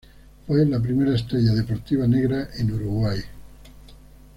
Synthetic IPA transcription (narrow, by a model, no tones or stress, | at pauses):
fwelap̬ɾime̞ɾaest̪ɾeʎaðe̞po̞ɾt̪iβ̞aneɣ̞ɾaʔenuɾuɣwaj